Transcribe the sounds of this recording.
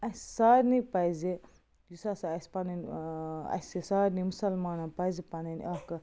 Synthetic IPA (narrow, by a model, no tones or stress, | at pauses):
ɐssaːɾnipɐzi | jusɐsɐspɐnɐnɐ̰sisaːɾnimusɐlmaːnɐpɐzipɐnɐn̰ɐkɐ